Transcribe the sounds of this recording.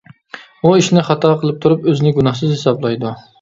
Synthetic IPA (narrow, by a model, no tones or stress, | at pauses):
uiʃnɪχɑt̪ʰɑqʰəlˠɨp̚t̪ʰuɾupøzɪnɪɡunɑχsɨzhesɑblˠɑjd̪u